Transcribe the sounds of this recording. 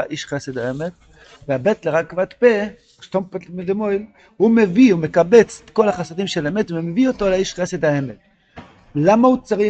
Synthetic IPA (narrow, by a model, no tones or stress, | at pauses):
aʔiʃχesed̪haemet̪ | veabet̪leʁakːvat̪pe | ʃt̪ompetmed̪emo̞jl | humeviumekabe̞t͡sko̞laχasad̪imʃelaemet̪vemeviot̪olaiʃχesed̪haemet̪̚ | lamaut͡saʁi